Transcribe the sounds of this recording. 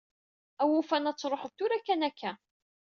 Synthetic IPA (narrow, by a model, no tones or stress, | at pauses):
æwufænæt͡sːɾˤoħəvt̪uɾækːænækʰːæ